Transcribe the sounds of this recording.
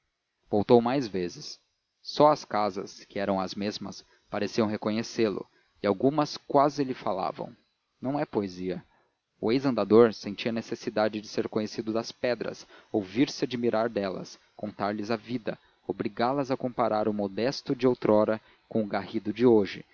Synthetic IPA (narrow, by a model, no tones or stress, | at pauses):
vowt̪owmajzvezɪsː | ɔɐskazɐ̰skɪɛɾɐ̃w̃ɐzmezmɐ̰s | paɾesiɐ̃w̃ɦekoɲeselʊ̰ | ɪawɡũmɐskwazɪlɪfala̰vɐ̰̃w̃ | nɐ̃w̃ɛpoeziɐ | ʊejzɐ̃nd̪ad̪oɾsẽnt͡ʃiɐnesesid̪ad͡ʒɪd͡ʒɪseɾkõɲesid̪ʊd̪ɐspɛd̪ɾɐ̰sowviɾsɪad͡ʒimiɾaɾd̪ɛlɐ̰s | kõnt̪aɾlɪzavid̪ɐ | obɾiɡalɐzɐkõpaɾaɾʊmod̪ɛst̪ʊd͡ʒɪowt̪ɾɔɾɐ | kõʊɡahid̪ʊd͡ʒɪoʒɪ̰